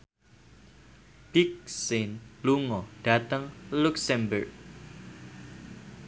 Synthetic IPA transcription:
b̥ik̚sɪnluŋɔɖ̥a̤t̪əŋluksɛmbərɡ̚

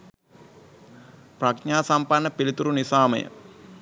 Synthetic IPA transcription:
prakɲaːsampanːəpilit̪uɾunisaːmə̰jə̰

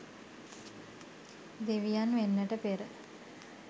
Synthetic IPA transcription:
d̪eʋijanʋenːəʈəpeɾə

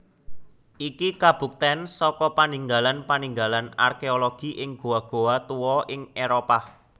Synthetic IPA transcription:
ʔikikab̥ṳk̚t̪ɛnsɔkɔpaniŋɡalanpaniŋɡalana̰rkeoloɡ̥i̤ʔɪŋɡ̥o̤aɡ̥o̤at̪uwɔʔɪŋeɾopa

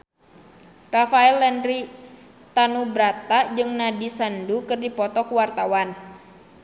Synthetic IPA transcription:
rafaɛlːɛnri | t̪anubɾat̪ad͡ʒɨŋnadisandukɨrdipɔt̪ɔkuwart̪awan

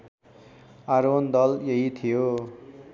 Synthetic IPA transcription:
aɾond̪ʌljʌɦit̪ʰijo

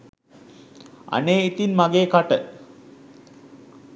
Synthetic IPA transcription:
a̰neːit̪inmaɡeːkaʈə

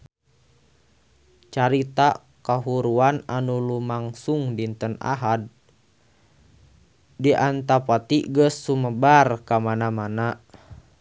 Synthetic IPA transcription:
t͡ʃaɾit̪a | kaɦuɾuananulumaŋsuŋdint̪əna̰ɦad̚ | iʔant̪apat̪iɡəsːuməbarkamanamana

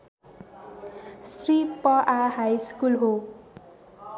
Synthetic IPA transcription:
sripʌʔaɦajskulɦo

